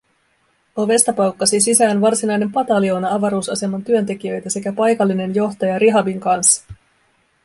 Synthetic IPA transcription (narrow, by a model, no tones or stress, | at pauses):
o̞ʋe̞st̪ɑpɑwkːɑsisisæːnʋɑrsinɑjne̞mpɑt̪ɑlio̞ːnɑɑʋɑɾuːsɑse̞mɑnt̪yønt̪e̞k̟iø̞jt̪æse̞kæpɑjkɑlːine̞njo̞ht̪ɑjɑɾiɦɑbiŋkɑnsːɑ̥